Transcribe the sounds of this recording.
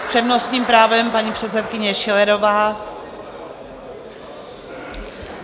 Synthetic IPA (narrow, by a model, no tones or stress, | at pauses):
spr̥ɛvnost̪ɲiːmpɾaːvɛmpaɲiːpr̥ɛt̪sɛt̪̚kɪɲɛʃɪlɛɾovaː